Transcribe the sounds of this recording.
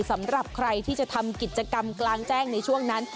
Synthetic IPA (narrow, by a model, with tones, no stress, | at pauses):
sa˩˦mɾa˨˩p̚kʰɾa˧jt̪ʰiː˥˩t͡ɕa˨˩t̪ʰa˧mki˨˩t̪̚t͡ɕa˧ka˧mklaː˧ŋt͡ɕɛː˥˩ŋna˧jt͡ɕʰu˥˩əŋna˦˥n